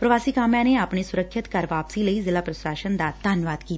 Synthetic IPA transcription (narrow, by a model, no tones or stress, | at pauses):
pɾəʋaːsiːkaːmjãneapɳ̃isuɾəkʃit̪kaɾʋaːpsiːləizɪlaːpɾəsɾaːʃənd̪at̪d̪aːnʋaːd̪kiːt̪